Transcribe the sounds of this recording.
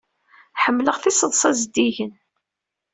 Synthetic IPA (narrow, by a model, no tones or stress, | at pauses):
ħəmːləʁθisəðˤsˤæzd̪ːiʝən